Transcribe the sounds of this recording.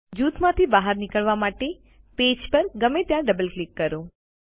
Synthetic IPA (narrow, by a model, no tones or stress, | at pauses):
d͡ʒuːt̪mãt̪ʰibaɦəɾnɪkəɭʋamaʈe | ped͡ʒpəɾɡəmet̪jãɖəbəlklikːəɾo